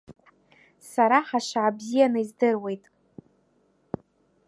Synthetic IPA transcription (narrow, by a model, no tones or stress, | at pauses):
saɾaħaʃaabzijanɨizdɨrwe̞jtʼ